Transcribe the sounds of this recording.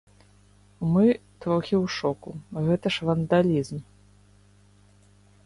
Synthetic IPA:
mɨt̪vɔwxʲiwʂɔkuɣɛt̪ɐʂvɐnd̪alʲizm

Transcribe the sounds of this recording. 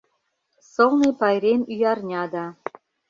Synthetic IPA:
sɤ̆lnepɑjrʲemyjɑrnʲɑd̪ɑ

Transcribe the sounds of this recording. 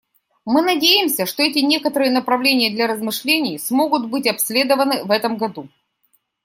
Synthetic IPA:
mɨnɐdʲejɪmsʲəʂt̪o̞ɛtʲɪnʲe̞kət̪əɾɨjənəpɾɐvlʲenʲɪjəd̪lʲɐɾəzmɨʂlʲenʲɪjsmo̞ɡʊt̪bɨtʲɐpsʲlʲe̞d̪əvənɨvɛt̪əmɡɐd̪u

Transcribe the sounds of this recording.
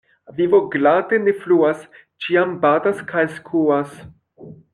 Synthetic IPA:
vivo̞ɡlade̞ne̞fluas | t͡ʃiambadaskajskʰuas

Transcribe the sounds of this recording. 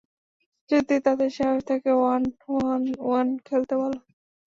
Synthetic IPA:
d͡ʑud̪it̪ad̪eɾʃaɦoʃt̪ʰakeannwankʰelt̪ebalo

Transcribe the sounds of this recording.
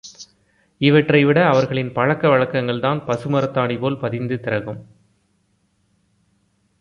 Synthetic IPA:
ɪʋɐʈrɐɪʋɪɽɐːʋɐɾɣɐɭɪnpɐɻɐkːɐʋɐɻɐkːɐŋɡɐɭðaːnpɐsɯmɐɾɐt̪ːaːɳipoːlpɐðɪnd̪ɯt̪ɪɾɐɣɯm

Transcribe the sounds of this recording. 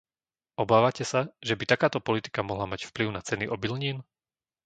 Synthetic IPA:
ʔɔbaːʋacɛsaʒɛbit̪akaːt̪ɔpɔlit̪i̥kamɔɦlamacfpliʊnat͡sɛniʔɔbilɲiːn

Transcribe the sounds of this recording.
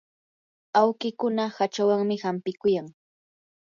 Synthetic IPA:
awkɪkʊnahat͡ʃawaŋmɪhampɪkʊjaŋ

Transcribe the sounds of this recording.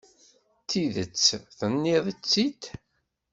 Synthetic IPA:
t̪ːiðət͡sːθənːiðˤit͡sːit̪

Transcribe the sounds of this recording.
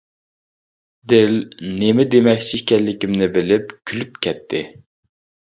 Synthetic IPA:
d̪ɪlnemɪd̪emɛkʲt͡ʃʰikʲɛlːɪkʲimnɪbɪlɪp̚kʲʰylypkʲʰɛt̪ʰːɪ

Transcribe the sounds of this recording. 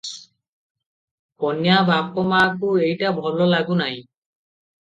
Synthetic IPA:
pɔnjabak̚ɔmaːkʊejtabʱɔlɔlaɡʊnaj

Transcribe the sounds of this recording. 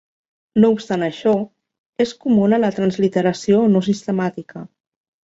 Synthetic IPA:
noupst̪anəʃɔ | eskumunələt̪ɾənzlit̪əɾəsionos̬ist̪əmat̪ikə

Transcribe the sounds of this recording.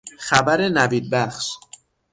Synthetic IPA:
xæbæɾe̞næviːd̪̚bæxʃ

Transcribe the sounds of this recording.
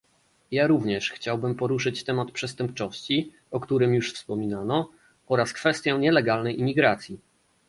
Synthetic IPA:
jaɾuvɲɛʂxt͡ɕawbɘmpɔɾuʂɘt͡ɕt̪ɛmat̪pʂɛst̪ɛmpt͡ʂɔɕt͡ɕi | ɔkt̪uɾɘmjuʂfspɔmʲinanɔ | ɔɾaskfɛst̪ʲjɔ̃ɲɛlɛɡalnɛjʔimʲiɡɾat̪sʲji

